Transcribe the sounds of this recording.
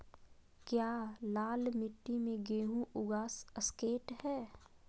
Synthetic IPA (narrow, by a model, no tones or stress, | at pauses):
kjaːlaːlmɪʈːimẽɡeːɦũʔʊɡaːsəskeːʈɦɛː